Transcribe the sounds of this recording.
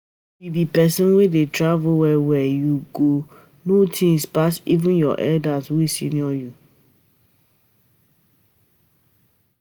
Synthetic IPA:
wibipɛsɔ̃nwedetɹavʊwɛwɛjuɡo | notʰĩŋspasḭvɪ̃njɔ̰ʔɛ̰ldazwisḭniɔju

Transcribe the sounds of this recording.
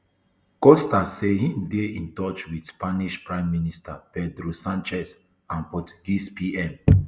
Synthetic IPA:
kɔstasehĩndeĩntɔt͡ʃwidspaniʃpɹãɪ̃mːinistapɛdɾosãnt͡ʃɛs | ãnpɔtu̥ɡispiɛ̃m

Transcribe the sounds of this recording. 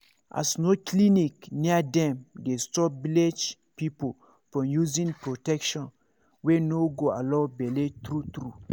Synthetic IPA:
ʔa̰snoklinikniadɛ̃mdestɔbiled͡ʒ | pipol | fɹɔ̃mjuzĩnpɹotɛkʃɔ̃n | wenoɡoa̰lɔ̃bɛlet̪ɾut̪ɾu

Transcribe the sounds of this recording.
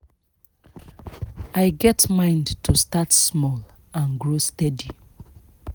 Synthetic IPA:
aɪɡɛtmãɪ̃ndtʰustatsmɔl | ãnɡɹostɛdi

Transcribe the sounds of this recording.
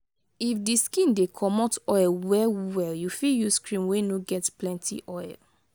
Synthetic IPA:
ifdiskĩndekʰɔmɔtɔjlwɛwɛljufiljuskɹĩmwenoɡɛtplɛ̃ntʰḭʔɔɪl

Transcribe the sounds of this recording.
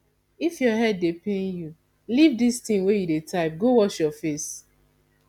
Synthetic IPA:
ifjɔɦɛdːepẽnju | livdistĩŋwejudetaɪp̚ɡowɔʃjɔfes

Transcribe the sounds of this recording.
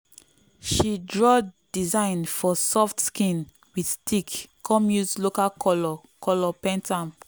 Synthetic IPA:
ʃidɹɔd̥izãɪ̃nfɔsɔftskĩn | widstʰikːɔ̃mjuzlokakɔlɔ | kɔlɔpɛ̃ntʰãm

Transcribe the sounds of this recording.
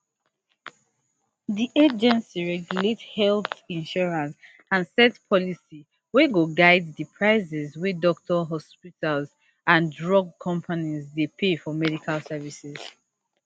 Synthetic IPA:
diʔed͡ʒɛ̃nsiɹɛɡjulethɛlθĩnʃɔɹãns | ãnsɛtpʰɔlisi | weɡoɡaɪddipʰɹaɪzɛzwidɔk̚tʰɔɦɔspitʰalz | ãndɹɔɡ̚kʰɔ̃mpʰanizdepʰefɔmɛdikʰalsɛvisɛz̥

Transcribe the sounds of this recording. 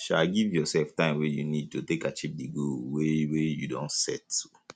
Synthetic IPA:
ʃaɡivjɔsɛlftãɪ̃mwejunid̚tutekat͡ʃivdiɡulwewejudõntsɛ̰tu̥

